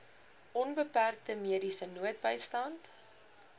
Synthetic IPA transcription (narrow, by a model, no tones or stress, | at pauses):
ʔɔnbəpærk̚təmiədisənuət̚bəjstɐnt